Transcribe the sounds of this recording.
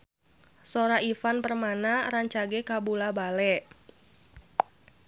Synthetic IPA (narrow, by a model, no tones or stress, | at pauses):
soɾaifanpərmanaɾaɲt͡ʃaɡekabulabalɛ